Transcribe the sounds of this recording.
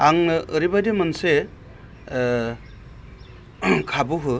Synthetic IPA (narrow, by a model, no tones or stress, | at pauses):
aŋɯɾibajdemanse | kʰabɯɦɯ